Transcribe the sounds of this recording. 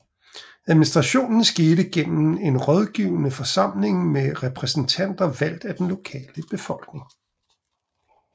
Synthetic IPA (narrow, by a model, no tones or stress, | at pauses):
æðˠminisd̥ʁɑ̈ɕo̝̰ːnn̩sɡ̥eːɾəɡ̥en̰m̩e̝nʁɒð̞ˠɡ̥iːʊənəfɒ̽sɑ̈m̰le̝ŋmeʁɛpʰʁɛsn̩t͡sʰæn̰d̥ɐʋæl̰d̥æd̥enlo̝kʰɛ̰ːləb̥e̝fɒ̽l̰ɡ̥ne̝ŋ